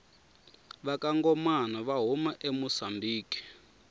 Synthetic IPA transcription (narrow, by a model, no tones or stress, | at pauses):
βakaŋɡɔmanaβaɦumaʔemusambiːki̥